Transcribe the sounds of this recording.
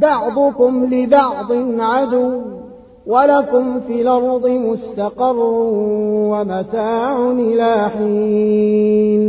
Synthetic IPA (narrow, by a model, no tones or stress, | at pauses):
bɑʕd̪ˤʊkʊmlɪbɑʕd̪ˤɨnʕad̪ʊw | walakʊmfiːlɑɾˤd̪ˤɨmʊst̪aqɑrˤːʊwamat̪aːʕʊnʔɪlaːħiː | n